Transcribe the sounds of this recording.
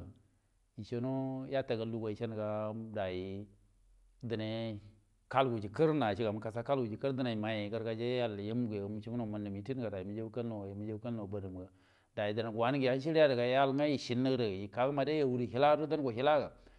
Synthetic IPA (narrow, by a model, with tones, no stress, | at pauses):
i˨t͡ʃo˦no˦ja˦ta˨ɡa˨lu˦ɡa˨i˨t͡ʃe˦n˨ɡa˨da˨ji˨ | də˨ne˨ | ka˦lɡu˨d͡ʒi˨kə˦ɾna˨ʃi˦ɡa˨mu˨ka˨sa˦ka˦lɡu˨d͡ʒi˨kə˦ɾdə˦na˨ma˨je˨ɡə˦ɾɡa˨d͡ʒe˦ja˦lja˦mu˦ɡje˨m˨t͡ʃi˦u˦no˨ma˨nːə˨mi˨ti˦n˦ɡa˨da˨ji˨mi˨d͡ʒe˦ka˦lo˨ji˨mi˦d͡ʒe˦ka˦lno˨ba˨nə˨m˨ɡa˨ | da˨ji˨di˨na˨ɡwa˦ni˦ɡi˨ja˦n˦ʃ̬i˦ɾja˦də˨ɡa˨ja˦lŋa˦ji˨ʃi˨nːə˦ɡdə˨ji˨ka˨ɡma˨de˦ja˨wu˦ɾi˨ɦi˦la˦do˦da˦n˦ɡo˨ɦi˦la˦ɡa˨